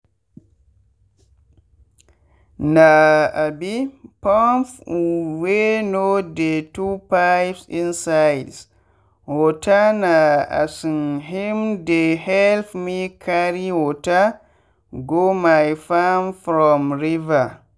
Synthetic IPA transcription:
naabipɔnfwenodɛtupajpsinsajds | wɔtanaa̰sunɦimdɛhɛlfmikʰaɾiwɔta | ɡomajfamfɾɔmɾiva

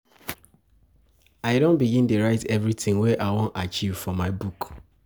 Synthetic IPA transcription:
aɪdõnbiɡĩntuɹaɪtɛvɹitĩŋwɛʔaɪwõntat͡ʃivfɔmaɪbuk

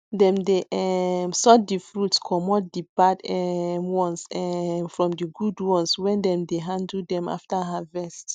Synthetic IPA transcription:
dɛ̃mdeʔɛmsɔt̚difɹutskʰɔmɔt̚dibadɛmwɔ̃nsɛfɹɔ̃mdiɡudwɔ̃nswɛ̃ndɛ̃mdeɦãndl̩dɛ̃ma̰ftaɦavɛst

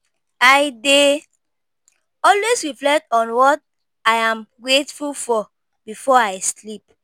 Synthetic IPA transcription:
aɪde | ɔlwesɹiflɛk̚tɔ̃nwɔt̚ | ajãmɡɹetfulfɔ | bifɔaɪslip̚

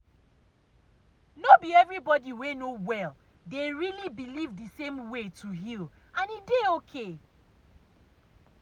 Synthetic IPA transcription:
nobiɛvɹibɔdiwenowɛl | deɹilibilivdisẽmwetuɦil | ãnideokʰe

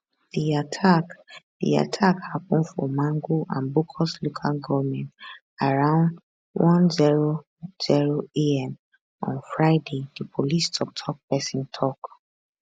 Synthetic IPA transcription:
d̥iatʰakd̥ḭa̰tʰakhap̚ũnfɔmãŋɡoʔã̰nbokʰɔslokʰalɡɔvmɛ̃nt | aɹãʊ̃nd | wɔ̃nziɹo | z̥iɹoeɛ̃m | ɔ̰̃nfɹaɪdedipʰolistʰɔp̚tʰɔk̚pɛsĩntʰɔk

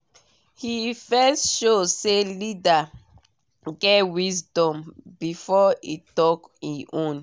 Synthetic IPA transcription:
hifɛstʃoselida | ɡɛtwisdɔ̃mbifɔitɔkiʔõn

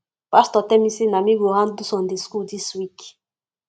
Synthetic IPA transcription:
pastɔtɛmisinamiɡohãndusɔ̃ndeskudiswik

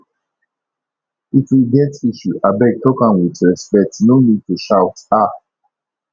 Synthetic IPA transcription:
ifwiɡɛtiʃuʔabɛɡ̚tʰɔkãnwitɹɛspɛk̚tnonid̚tuʃaʊta

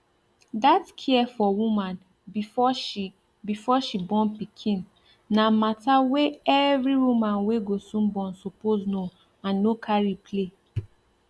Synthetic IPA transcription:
datkʰiɛfɔwũmãn | ifɔ | bifɔʃibɔ̃npikʰĩn | namataweɛvɹiɹumãnweɡosũnbɔ̃nsopozno | ãnːokʰaɹipʰle

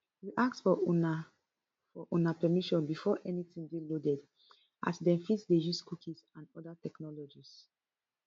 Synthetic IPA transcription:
hiʔak̚tsfɔna | fɔʔonapɛmiʃɔ̃nbifɔʔɛnitĩndelodɛd | ʔa̰sdɛ̃mfitsdejuskukʰisãnɔdatɛknɔlɔd͡ʒis

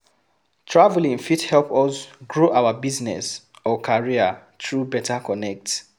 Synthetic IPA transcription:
tʰɹavlĩŋfithɛlpɔsɡɹoʔawabiznɛ̰s | ɔkʰaɹiə | tɹubɛtʰakɔnɛk̚t

